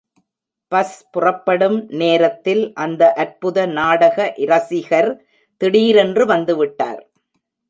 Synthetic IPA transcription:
pɐspʊrɐpːɐɽɯmneːɾɐt̪ːɪlʔɐnd̪ɐʔɐɾpɯðɐnaːɽɐɣɐʔɪrɐsɪɣɐɾ | t̪ɪɽiːɾɛndrɯʋɐnd̪ɯʋɪʈːa̰ːɾ

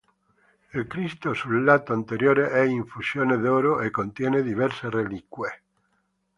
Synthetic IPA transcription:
elkɾist̪osulːat̪oant̪eɾjoɾeʔɛiɱfusjoneðeoɾoʔekont̪jeneðiβ̞eɾserelikwe

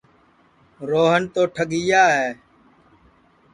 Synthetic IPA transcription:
ɾoːɦənt̪oːʈʰəɠiːjaːɦeː

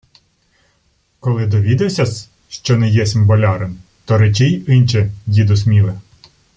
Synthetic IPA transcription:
kɔlˠɪd̪ɔʋʲid̪ɪwsʲɐ | ʃt͡ʃɔnɛjɛsʲimbɔlʲɑɾen | t̪ɔɾet͡ʃɛjɪnt͡ʃɛjid̪ɔsʲmʲilˠɪ

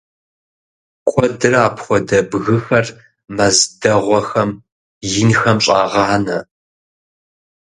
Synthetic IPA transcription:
qʷʰʼɔdɨraːpxʷɔdɐbɣɨxɐr | mɐzdɐʁʷɔxɐm | jɪnxɐmɕʼaːʁɑːnɐ

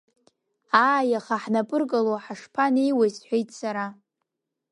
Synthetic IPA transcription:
aːjaχaħnapʼɨrkʼaloħaʂpʰane̞jwasħʷejtʼsaɾa

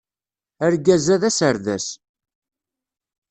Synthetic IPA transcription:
æɾɡæzæðæsəɾðæs

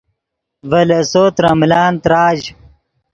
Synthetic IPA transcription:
vɐlɐsoːt̪ɾɐmlaːnt̪ɾaːʑ

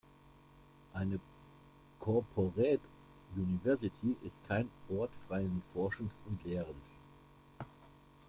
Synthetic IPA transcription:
ʔaɪnə | kʰɔɐpʰoʁɛt | junivɛɐsɪtʰiʔɪst̚kʰaɪnʔɔɐtfʁ̥aɪənfɔɐʃʊŋsʊntlɛːʁəns

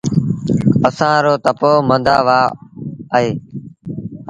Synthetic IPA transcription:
əsãːɾoːt̪əpoːmənd̪a̰ːʋaːəɦeː

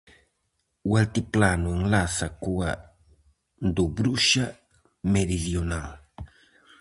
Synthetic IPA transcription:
walt̪iplanʊeŋlasakua | d̪uβɾuʃa | meɾiðjonal

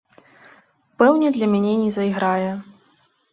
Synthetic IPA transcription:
pɛwnʲɛd̪lʲɐmʲanʲɛnʲɛzɐjɣɾajɛ

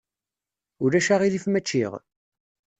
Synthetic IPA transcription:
ʊɾæʃaʁilifmæt͡ʃːḭʁ

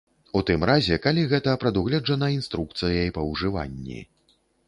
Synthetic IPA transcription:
ut̪ɨmɾazʲɛkalʲiɣɛt̪ɐpɾɐd̪uɣlʲɛd͡ʐɐnɐinst̪ɾukt̪sɨjɐipɐwʐɨva̰nʲːḭ

